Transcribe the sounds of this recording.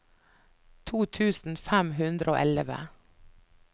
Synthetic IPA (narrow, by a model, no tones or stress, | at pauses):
t̪ʰuːt̪ʰʉːsn̩fæmɦʉnd̪ɾʔo̰ːʔɛləʋə̰